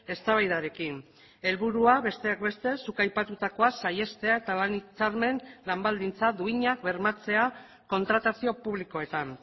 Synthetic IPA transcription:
e̞st̪aβ̞ajðaɾe̞kin | e̞lβuɾuaβe̞st̪e̞akbe̞st̪e̞sukajpat̪ut̪ako̞asaje̞st̪e̞ae̞t̪alanit͡saɾme̞nlambald̪int͡sad̪uiɲak̚βe̞ɾmat͡se̞a | ko̞nt̪ɾat̪asio̞puβ̞liko̞e̞t̪an

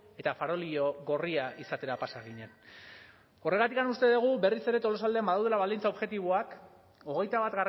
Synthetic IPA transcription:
e̞t̪afaɾo̞lioɣo̞riaʔisat̪e̞ɾapasaɣiɲen | o̞re̞ɣ̞at̪ikanust̪e̞ðuɣ̞ube̞rise̞ɾe̞t̪o̞lo̞sald̪eambaðawðe̞laβald̪int͡sao̞βʝe̞t̪iβ̞oak | o̞ɣ̞e̞jt̪aβat̪ɣar

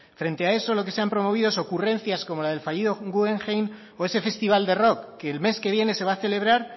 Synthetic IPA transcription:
fɾe̞nt̪eae̞so̞lo̞ke̞se̞ampɾo̞mo̞β̞iðoeso̞kure̞n̟θjasko̞mo̞laðe̞lfaʎiðoɡueŋxejn | o̞e̞se̞fe̞st̪iβ̞ald̪e̞ro̞kːe̞ːlme̞ske̞β̞je̞ne̞se̞β̞aθe̞le̞β̞ɾaɾ

